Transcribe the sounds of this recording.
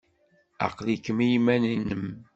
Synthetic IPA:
ɑ̰qlikːəmijmæninəm

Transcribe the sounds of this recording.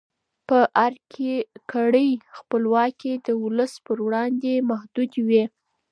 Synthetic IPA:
pəʔaɾkʰekʰaɽəjxpəlwɑked̪əwʊləspəɾwɽɑnd̪emahd̪ud̪wi

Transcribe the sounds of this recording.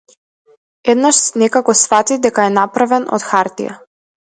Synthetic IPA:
ɛd̪naʃsnɛkakɔsfat̪id̪ɛkaɛnapɾavɛnɔ̰t̪xaɾt̪ḭja̰

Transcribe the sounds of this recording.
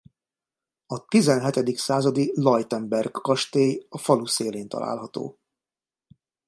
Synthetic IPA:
ɒt̪izɛnɦɛt̪ɛd̪iksaːzɒd̪ilɒjt̪ɛmbɛrɡːɒʃt̪eːjɒfɒluseːleːnt̪ɒ̰lʔa̰ːlɦɒt̪o̰ː

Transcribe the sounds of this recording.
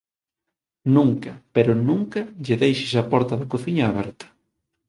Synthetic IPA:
nũŋkɐpeɾʊnũŋkɐʎɪðejʃɪsɐpɔɾt̪ɐðɐkoθiɲaːβ̞ɛɾt̪ɐ̥

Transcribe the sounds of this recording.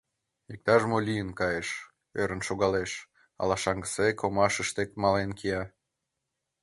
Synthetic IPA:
ik̚t̪ɑʒmolʲijənkɑjeʃ | øɾə̆nʃoɣɑleʃ | ɑ̰lɑʃɑŋɡəsekomɑʃəʃt̪ekmɑlenkiɑ

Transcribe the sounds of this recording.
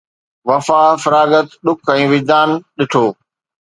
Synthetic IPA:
ʋɐfaːfɐɾaːɡət̪ɗʊkʰɛ̃ːʋɪd͡ʑd̪aːnɗɪʈʰoː

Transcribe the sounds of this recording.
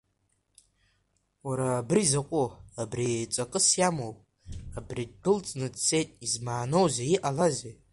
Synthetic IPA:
waɾaːbrizaqʷʼʊabrit͡sʷʼakʼɨsjamowpʼ | abrid̚bʰɨlt͡sʼnɨdse̞jtʼizmaːno̞wzaiʔalaze

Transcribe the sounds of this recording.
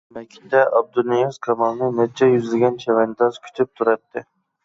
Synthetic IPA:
mɛkʲʰi̥t̪ɛɑb̚d̪ulnːijuzkʰɑmɑlˠnɨnɛt͡ʃʰːɛjyzɪlɪɡʲɛnt͡ʃʰɛvɛnt̪ɑzkʲʰy̥t̪ʰyp̚t̪ʰuɾɑt̪̚ʰːɨ

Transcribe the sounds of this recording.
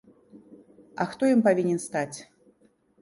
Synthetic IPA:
ɐ̰xt̪ɔjimpavʲinʲɛnst̪at͡sʲ

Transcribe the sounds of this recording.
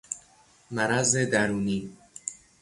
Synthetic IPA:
mæɾæzed̪æɾuːniː

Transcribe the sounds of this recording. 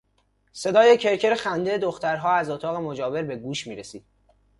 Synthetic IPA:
se̞d̪ɒːje̞cʰe̞ɾcʰeɾexænd̪ed̪oxt̪æɾɦɒːæzot̪ʰɒːɣe̞mo̞d͡ʒɒːbe̞ɾbe̞ɡuːʃmiːɾesiːd̪̥̚

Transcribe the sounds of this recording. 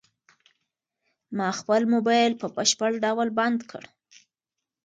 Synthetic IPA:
mɑxpəlmobɑjlpəpəʃpəɽɖawlband̪kʰə̰ɽ

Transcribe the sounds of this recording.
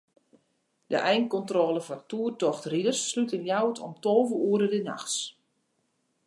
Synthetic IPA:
də̰ʔɛjnkɔntroːləvɔrtuːərtɔxtridərsːlytəljawtʰɔ̰mtoːvəuəɾədəna̰xs

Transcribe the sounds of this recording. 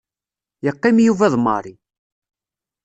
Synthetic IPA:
jəqːimjuvæðˤmɑ̰ɾˤi

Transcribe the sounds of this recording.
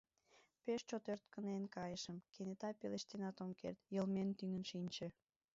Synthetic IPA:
peʃt͡ɕot̪ørt̪̚kənenkɑjəʃəmkenet̪ɑpeleʃt̪enɑt̪omkḛrt̪jəlment̪yŋənʃinʲt͡ɕĕ

